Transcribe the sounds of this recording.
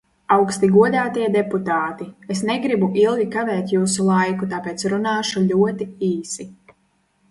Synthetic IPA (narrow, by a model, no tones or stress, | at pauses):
awkst̪iɡuɔd̪aːt̪iɛd̪eput̪aːt̪iesnɛɡɾibuʔilˠɡʲikavɛːt̪ʲjuːsulˠajkut̪apeːt̪sɾunaːʃuʎʲuɔt̪iiːsi